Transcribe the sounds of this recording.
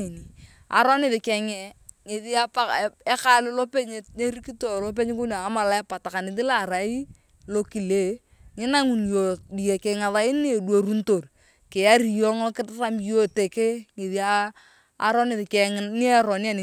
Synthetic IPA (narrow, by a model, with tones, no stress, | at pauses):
e˨ni˨ | a̰˨ɾɔ˦nɪ˦˨ðɪ˨kɛ˨ŋɛ˨ | ŋe˨ði˦a˦pa˦ɛ˦ka˦lɪ˦lo˦pe˦ɲe˨e˦ɾi˦ki˦to˨lo˦p̬e˦ɲ˦kʊ˦naː˨˦ma˨la˦ɛ˦pa˨ta˨ka˨nɪ˨ðɪ˦la˨ɾa˨i˦ | lo˦ki˨le˦ | ŋɪ˦na˦ŋu˨njo˨di˨je˨kɪ˨ŋa˨ða˦ɪ˦ni˦˨dwo˨ɾu˦n̩˦to˨r | kɪ˨a˦ɾi˨jɔ˦ŋɔ˦kɪ˦tra˦mjo˨te˨kɪ˦ŋe˨ði˦aː˦ | ɾɔ˦nɪ˨ðkɛ˨ŋn˦ɛ˦ɾɔ˨ni˦a˦˨ne˨